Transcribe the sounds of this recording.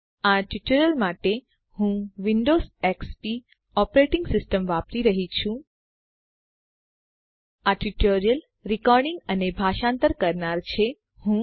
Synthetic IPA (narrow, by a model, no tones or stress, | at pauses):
aʈiʈəɾəlmaʈe | hũʋiɳɖozekspi | ɔpɾeʈɪŋɡsɪsʈəmʋapɾiɾəɦit͡ʃʰũ | aʈiʈoɾijəl | ɾikɔɾɖɪŋɡənebʱaʃant̪əɾkəɾnaɾt͡ʃʰe | hũ